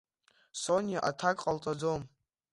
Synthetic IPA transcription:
sonjaʔatʰakʼqʼalt͡sʼad͡zom

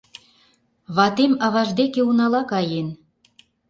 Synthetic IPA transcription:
βɑt̪emɑβɑʒd̪ekeunɑlɑkɑjen

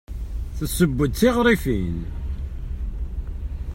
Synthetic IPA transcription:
θəsːəbːəd̪̚t͡siʁɾˤifin

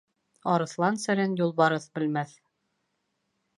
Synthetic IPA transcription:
ɑɾɤ̆θlˠɑnsɘ̆ɾɘnjulˠbɑɾɤθbɘ̆lmæθ

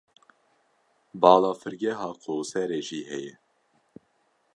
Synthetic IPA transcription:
bɑːlɑːfɨɾɡɛɦɑːqʰoːsɛɾeːʒiːhɛjɛ

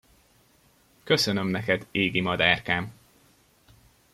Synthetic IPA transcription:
kø̞sønømnɛkɛd̪eːɡimɒd̪aːrkaːm

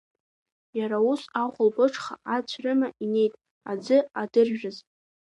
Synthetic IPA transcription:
jaɾaʊsaχʷʊlbɨʈ͡ʂʰχa̰ʔat͡ɕʷʰrɨmaʔine̞jtʼ | ad͡zɨadɨrᶣaz

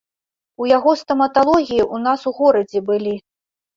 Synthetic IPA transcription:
ujaɣɔst̪ɐmɐt̪alˠɔɣʲijiʔunasuɣɔɾɐd͡zʲɛbɨlʲi

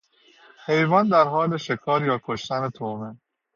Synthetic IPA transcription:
he̞jvɒːnd̪æɾɦɒːle̞ʃe̞kʰɒːɾjɒːkʰoʃt̪æne̞t̪ʰomen

